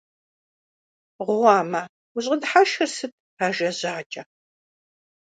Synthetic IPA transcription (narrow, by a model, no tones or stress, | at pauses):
ʁʷwɑːmɐ | wʊɕʼədħaʃɨsɨt̚ʰ | aːʒɐʑaːt͡ʃʼɐ